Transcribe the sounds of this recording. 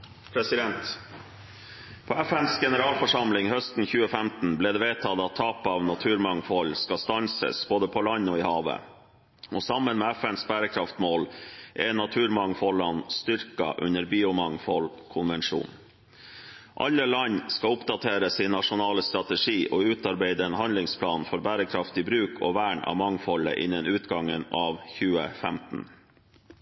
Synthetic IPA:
pʰɾɛsɪd̪ɛnt̪ | pʰoːæfɛnsɡɛnəɾɑːlfɔʂɑmlɪŋhœst̪n̩çʉːəfæmt̪n̩bliːd̪ɛːʋeːt̪ʰɑd̪ɑt̪ʰːɑːpɑːʋnɑt̪ʰʉːɾmɑŋfɔlskɑst̪ɑnsə̰sb̥oːd̪əpʰɔlɑɲoːɪhɑːʋə̰ | osɑmənmeːæfɛnsbæːɾəkʰɾɑft̪moːlʔɛnɑt̪ʰʉːɾmɑŋfɔɭɑnst̪ʏɾkɑ̰ʔʉ̰nəɾbiːʊmɑŋfɔlkʰʊnʋɛnʂṵːn | ʔɑ̰ʎːəlɑɲskɑʊpd̪ɑt̪ʰeːɾəsɪːnːɑʂʊnɑːləst̪ɾɑt̪əʂiːʔoːʉːt̪ɑɾbeɪd̪əɛːnhɑnlɪŋspʰlɑːnfɔɾbæːɾəkʰɾɑft̪ɪbɾʉːkʰɔ̰ʋæːɳɑ̰ːʋmɑŋfɔlə̰ʔɪ̰nːənʉːt̪ɡɑŋːənɑːʋçʉːə̰fɛmt̪n̩

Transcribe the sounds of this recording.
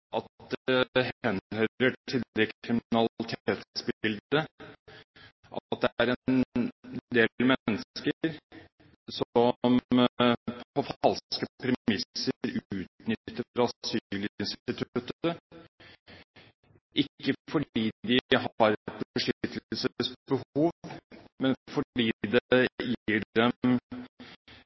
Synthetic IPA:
ʔɑt̪d̪ɛhɛnhœəʈʰɪekʰɾɪmɪnɑlɪt̪ʰeːt̪sbɪld̪ə | ʔɑt̪̚d̪ɛæɾɛn | d̪eːmɛnːəskəɾ | sɔm | pʰpʰɔfɑlskəpʰɾɛmɪsəɾʉːt̪nʏt̪ːəɾɑsyːlɪɪnst̪ɪt̪ʰʉt̪ːə | ʔɪkːəfɔɖiːd̪ɪhɑɾt̪̚bbəʂʏt̪ːəllsəəsbəhuːʋmɛnfɔɖiːd̪ɛjiːɛm

